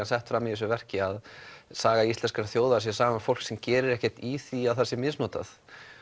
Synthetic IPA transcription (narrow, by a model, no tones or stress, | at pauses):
ansɛht̪fɾaːmɪɛs̬ʏvɛr̥cɪaðsaːɣaisɛnskaɾaθjowðasjɛsaːɣamafowl̥ksɛmcɛːɾɪɾɛhcɛ̥t̪iθiawθɛsːɪmɪðsnɔːt̪a̰θ